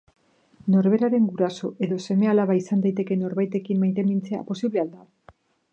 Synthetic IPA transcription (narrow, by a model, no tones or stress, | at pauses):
no̞ɾβe̞ɾaɾe̞ŋɡuɾaso̞e̞ðo̞se̞me̞alaβaisand̪ajt̪e̞ke̞no̞ɾβajt̪e̞kimmajt̪e̞mint͡se̞a̰po̞siβle̞ald̪a